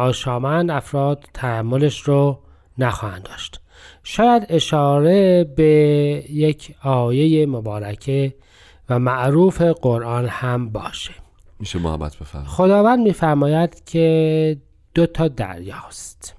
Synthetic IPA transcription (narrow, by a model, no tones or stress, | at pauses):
ɒːʃɒːmænd̪æfɾɒːd̪̥t̪ʰːæhæmːoleʃɾo | næxɒːhænd̪ɒːʃt̪ | ʃɒːjæd̪e̞ʃɒːɾe̞bejecʰɒːje̞jemobɒːɾæcʰe | væmæʔɾuːfe̞ɡoɾʔɒːnhæmbɒ̰ːʃe̥ | miʃemo̰hæ̰bæ̰t̪̚ʰb̥efæ̰mxo̞d̪ɒːvænd̪miːfæɾmɒːjæd̪̥cʰe | d̪̥ot̪ʰɒːd̪æ̰ɾjɒːst̪